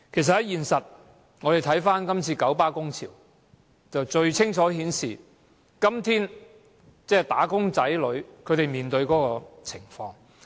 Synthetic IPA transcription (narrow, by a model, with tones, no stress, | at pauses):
kʰe˨˩s̬ɐ˨t̚hɐ˨˦jiː˨nsɐ˨t̚ | ŋɔː˨˧ɾe˨jt̪ʰɐ˨˥jfaː˥nkɐ˥mt͡sʰiː˧kɐ˨˥wpaː˥kʊ˥ŋt͡sʰiː˨˩w | t͡sɐ˨wt͡ʃɵ˧ɥt͡sʰɪ˥ŋt͡ʃʰɔː˨˥ɦiː˨˥nsiː˨˩ | kɐ˥mt̪ʰiː˥n | t͡sɛː˥˩t̪aː˨˥kʊ˥ŋt͡sɐ˨˥jlɵ˨˧ɥkʰɵ˨˧ɥt̪e˨˩jmiː˨nt̪ɵ˧ɥkɔː˨˥kɔː˧t͡sʰɪ˨˩ŋfɔː˧ŋ